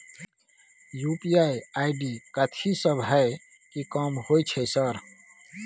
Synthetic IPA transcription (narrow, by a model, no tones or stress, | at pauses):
jupiajaɪɖikət̪ʰisəbʱɦae | kikəmhojt͡ʃʰɛsəɾ